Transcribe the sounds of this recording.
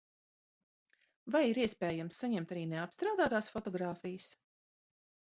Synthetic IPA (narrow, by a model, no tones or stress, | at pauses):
vajiɾiɛspɛːjamsːaɲɛmt̪aɾiːneapst̪ɾaːwd̪aːt̪aːsfɔt̪ɔɡɾaːfijəs